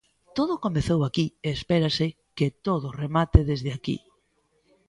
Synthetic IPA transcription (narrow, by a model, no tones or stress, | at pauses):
t̪oð̞ʊkomeθowakieːspɛɾasɪ | ket̪oðʊremat̪eðezðeakḭ